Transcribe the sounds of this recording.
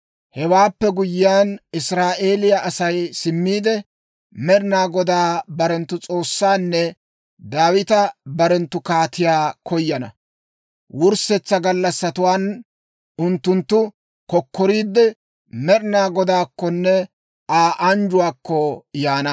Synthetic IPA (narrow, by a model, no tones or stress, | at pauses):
hɛwaːpːɛɡʊjːɪjanɪsɾaːʔe̞ːlɪjɐʔɐsɐjsɪmːiːd̪ɛ | mɛɾnaːɡɔd̪aːbɐɾɛnt̪ːʊt͡sʼo̞ːsːaːnːɛ | d̪aːwɪt̪ɐbɐɾɛnt̪ːʊkaːt̪ɪjaːkʰɔjːɐnɐ̰ | wʊɾsɛt͡sːɐɡɐlːɐsːɐt̪ʊwaːn | ʊnt̪ːʊnt̪ːʊ | kɔkːɔɾiːd̪ɛ | mɛɾɪnaːɡɔd̪aːkːɔnːɛ | aːʔɐnd͡ʒʊwaːkːɔjaːnɐ